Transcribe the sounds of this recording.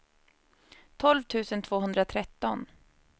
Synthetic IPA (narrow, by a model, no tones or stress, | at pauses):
t̪ʰɔlvt̪ʰʉ̟ːsənt̪ʰv̥oːɦɵnd̪ɾat̪ʰɾɛt̪ːɔn